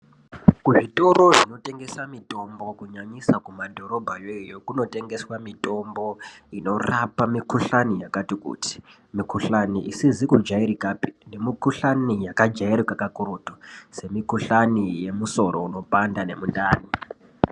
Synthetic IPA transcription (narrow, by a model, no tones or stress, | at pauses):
kuʐito̞ɾo̞ʐino̞te̞ŋɡe̞samito̞mbo̞kuɲaɲisakumadʱo̞ɾo̞bʱajojokuno̞te̞ŋɡe̞swamito̞mbo̞ino̞rapamikuɬanijakatikṵti̥ | mikuɬaniʔisizikud͡ʒaiɾikaːpi̥nemikuɬanijakad͡ʒaiɾikakakuɾutose̞mikuɬanije̞muso̞ɾʔo̞̰uno̞pandane̞mundaːni